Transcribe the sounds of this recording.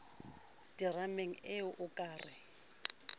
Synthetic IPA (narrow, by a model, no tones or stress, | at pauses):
d̥irameŋ̩ɪʊʔʊkʼaːrɪ